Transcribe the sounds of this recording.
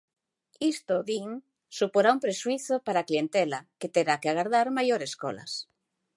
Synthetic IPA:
ist̪oðiŋ | supoɾaumpɾeʃwiθopaɾaklient̪elaket̪eɾakeaɣaɾðaɾmajoɾesko̰la̰s

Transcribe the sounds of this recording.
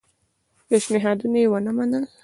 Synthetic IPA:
peʃnɪɦɑd̪unajewənamanəl

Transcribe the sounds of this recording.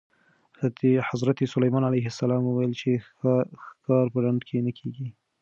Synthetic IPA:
t̪ehazɾat̪esʊlajmɑnalajɦasːalɑmuwajəlt͡ʃe | kɑɾpəlaɳd̪kʰenəkʰeɡi

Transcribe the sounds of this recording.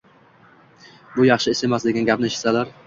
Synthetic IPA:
bʊjɑχʃɪɪsemaslɪɡʲɪnɪɡʲapnɪʃɪ̥salaɾ

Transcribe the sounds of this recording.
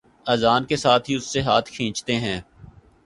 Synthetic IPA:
ɐzaːnkesaːt̪ʰɦiʊsːeɦaːt̪ʰkʰĩːt͡ʃt̪eɦɛ̃ː

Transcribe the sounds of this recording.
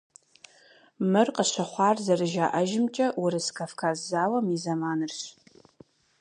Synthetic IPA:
mɨrqəɕʷɐχʷɑːrzɐrɨʒaːʔɐʒɪmt͡ʃʼɐwʊɾɨskʰɐfkʰaːzzaːwɐmizɐmaːnɨrɕ

